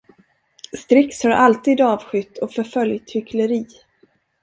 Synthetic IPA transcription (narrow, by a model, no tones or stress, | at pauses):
st̪ɾɪkshaɾʔalt̪iːd̪ɑːvɧʏt̪ːɔfœɾfœljt̪hʏkʰləɾiː